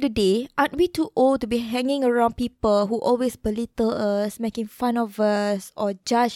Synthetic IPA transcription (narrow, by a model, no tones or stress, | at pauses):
dədeʔat̚wituʔol̚tubiɦɛ̃ŋɪ̃ŋəɹãʊ̃npipəlɦuʔɔlwesbəlitələsmekɪ̃ŋfãnɔvəsɔd͡ʒad͡ʒ